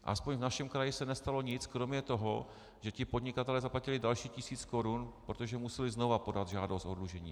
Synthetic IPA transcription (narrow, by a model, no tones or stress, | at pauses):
ʔa̰spoɲvnaʃɛmkɾajɪsɛnɛst̪alo̞ɲɪt͡skɾo̞mɲɛt̪o̞ɦo | ʒ̥ɛcɪpo̞dɲɪkat̪ɛlɛːzaplacɪlɪdalʃiːcɪsiːt͡sko̞ɾunpɾot̪oʒɛmusɛlɪzno̞vapo̞dat̪ʒaːdost̪ʔo̞dluʒɛɲḭː